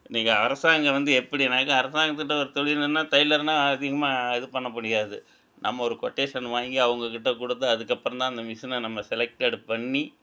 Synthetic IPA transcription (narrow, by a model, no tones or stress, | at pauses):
niːŋɡɐɐɾɐsaːŋɡɐʋɐnd̪ɯɛpːɐɽiɪnːaːkːɯ̃ɐɾɐsaːŋɡɐt̪ːɯkɪʈːɐɔɾɯt̪ɔɭɪnɐnːaːt̪ɐjɪlɐɾnaːɐðɪɣɐmaːɪðɯpɐɳːɐpːɐɽɪjaːðɯ | nʔɐ̰mːɐɔɾɯkɔʈːeːʂɐnʋaːŋɡiɐʋɐŋɡɐkɪʈːɐkʊɽɯt̪ːɯɐðɯkːɐpːɯɾɐ̃nt̪ãːɪnd̪ɐmɪʂɐnɐnɐmːɐsɛlɛk̚ʈeɽpɐɳːi